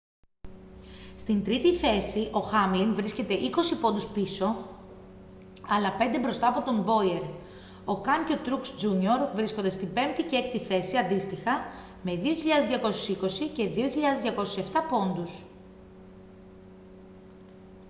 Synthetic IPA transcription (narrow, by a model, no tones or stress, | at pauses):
st̪int̪ɾit̪iθe̞siʔo̞xɐmlinvɾisce̞t̪e̞ʔiko̞sipond̪uspiso̞ | ɐlɐpe̞nd̪ebɾo̞st̪ɐːpo̞t̪o̞mbo̞ieɾ | o̞kɐŋcot̪ɾuksd͡ʒuɲio̞ɾvɾisko̞nd̪est̪ibe̞mt̪iceekt̪iθe̞siɐnd̪ist̪ixɐ | me̞ðio̞çiʎɐðezðʝɐko̞so̥siko̞sice̞ðio̞çiʎɐðezðʝɐko̞sosie̞ft̪ɐpo̞nd̪us